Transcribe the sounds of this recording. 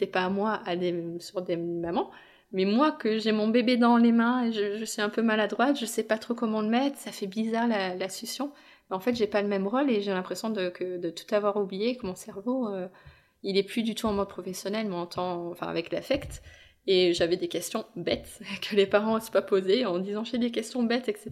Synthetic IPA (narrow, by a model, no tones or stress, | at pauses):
set̪ɛpamwaʔad̪esyʁd̪emamɑ̃ | mɛmwakəʒɛmɔ̃bebed̪ɑ̃lemɛ̃eʒəʒəsɥiɛ̃pømalad̪ʁwat̪ʒəsɛpat̪χokɔmɑ̃ləmɛt̪χsafɛbizaʁlalasysjɔ̃ | mɛɑ̃fɛt̪ʒepaləmɛmʁoleʒelɛ̃pχesjɔ̃d̪əkʰəd̪ət̪u̥t̪avwaʁublijekəmɔ̃sɛʁvoø | ilɛplyd̪yt̪uɑ̃mɔd̪̚pχɔfɛsjɔnɛlmɛɑ̃t̪ʰɑ̃ɑ̃fɛ̰̃a̰vɛklafɛkt̪ | eʒavɛd̪ekʲɛst̪jɔ̃bɛt̪kʰəlepaʁɑ̃spapozeɑ̃d̪izɑ̃ʒaɛd̪ek̬ʲɛst̪jɔ̃bɛt̪ɛkse